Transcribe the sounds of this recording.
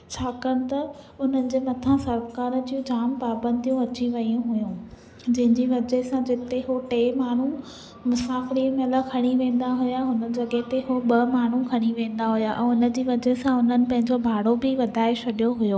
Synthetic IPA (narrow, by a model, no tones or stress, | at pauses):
t͡ɕʰaːkɐ̃ʊ̆t̪ɐ | ʊn̤ənɪ̆d͡ʑeːmɐt̪ʰãsɐɾkaːɾd͡ʑijũd͡ʑaːmpaːbə̃nd̪ʱijũɐt͡ɕiʋɐjũɦʊjũ | d͡ʑɐ̃ɦɪ̃ɲd͡ʑiʋɐd͡ʑəsãd͡ʑɪt̪eɦoʈeːmaːɳ̤u | mʊsaːfɪɾiːmləkʰɐɽ̃iʋẽːn̆d̪aɦʊjaɦʊnə̆d͡ʑɐɠeɦt̪eɦoɓɐmaːɳ̤ukʰɐɽ̃iʋẽːnd̪aɦʊjaʔɛ̃ːʊnə̆d͡ʑiːʋɐd͡ʑəɦsãʊn̤ənɪ̆pɐ̃ɦɪ̃ɲd͡ʑobʱaːɽobɪʋɐd̪ʱaːeɕʰɐɗijoɦʊjoː